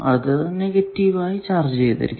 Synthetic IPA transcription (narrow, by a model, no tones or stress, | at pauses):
ɐðɨneɡɐtːiʋaːjit͡ɕaːrd͡ʑɨt͡ɕejt̪ːɐ̰ɾḭkʲː